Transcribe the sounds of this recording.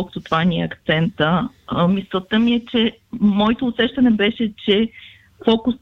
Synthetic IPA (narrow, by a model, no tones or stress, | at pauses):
lˠkə̥t̪ot̪ovanʲiɛ̰ɐkt̪sɛnt̪əmist̪vət̪əmiɛt͡ʃɛ | mɔɛt̪oːsɛʃt̪ɐnɛbɛʃɛt͡ʃɛ | fɔkʊs